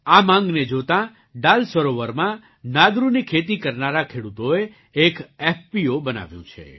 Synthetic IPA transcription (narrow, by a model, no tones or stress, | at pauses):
amãŋɡned͡ʒot̪ã | ɖalsəɾoʋəɾmã | nad̪ɾunikʰet̪ikəɾnaɾakʰeɽut̪oe | ekefpiobəna̰ʋjṵ̃t͡ʃʰḛ